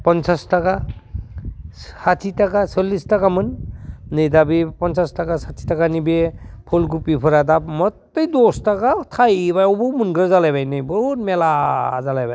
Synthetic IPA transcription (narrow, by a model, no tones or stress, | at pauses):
pɔnsastaka | satʰitakasɔlːistakamɯnnɯjdabipɔnsastakasatʰi̥takanibepʰɔlɡupipʰɯɾadap̚mɔtːɯjdɔstakatʰajbajɔwbɯmunɡɾazalajbajnɯjbɔt̚melazalajbaj